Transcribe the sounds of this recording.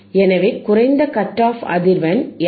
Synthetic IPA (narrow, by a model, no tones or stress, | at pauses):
ɛnɐʋɐɪkːʊrɐɪnd̪ɐkɐʈːaːfɐ̰ðɪɾʋɐn